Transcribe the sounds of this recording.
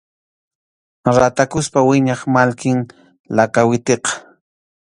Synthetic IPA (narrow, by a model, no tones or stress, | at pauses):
ɾat̪akʊspawɪɲɑχmalkɪŋ | lakawɪt̪eqɑ̥